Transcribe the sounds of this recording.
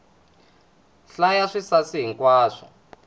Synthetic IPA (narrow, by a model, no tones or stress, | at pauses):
ɬajaʂisasiɦiŋkwaːʂɔ